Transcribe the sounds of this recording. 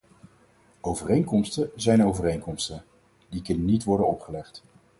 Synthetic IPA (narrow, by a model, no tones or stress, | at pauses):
owvərejŋkɔmstəzɛjnowvərejŋkɔmstən | dikɵnənitʋɔɹdənɔpχəlɛχt